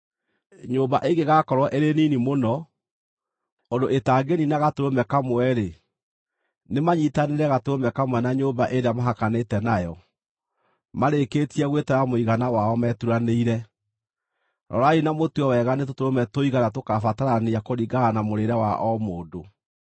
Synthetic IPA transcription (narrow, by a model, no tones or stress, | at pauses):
ɲoːmbaʔeɡeɣakɔɾwɔʔeɾeninimonɔ | ondoʔetaɡeninaɣatoɾomɛkamwɛɾe | nemaɲitaneɾɛɣatoɾomɛkamwɛnaɲoːmbaʔeɾeamaɦakanetɛnajɔ | maɾeketiɛɣwetɛɾamoiɣanawaɔmɛtuɾaneiɾɛ | ɾɔ̰ɾainamotuɔwɛɣanetotoɾomɛtoiɣanat̬okafataɾaneakoɾiɡanamoɾeɾɛwaʔɔmoːdo